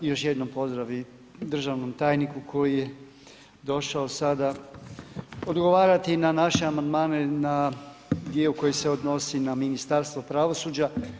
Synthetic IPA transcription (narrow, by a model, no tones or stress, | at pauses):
jo̞ʃjed̪no̞mpo̞zd̪ɾaʋi | d̪r̩ʒaʋno̞mt̪aːjnikukʰo̞jije | d̪o̞ʃaosad̪a | o̞d̪ɡo̞ʋaːɾat̪inanaʃe̞amand̪maːne̞na | d̪jieuko̞jese̞o̞d̪no̞sinaminist̪aɾst̪ʋo̞pɾaʋo̞suːd͡ʑa